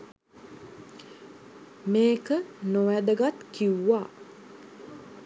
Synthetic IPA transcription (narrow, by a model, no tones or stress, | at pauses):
meːkənoʋæd̪əɡat̪kiwːa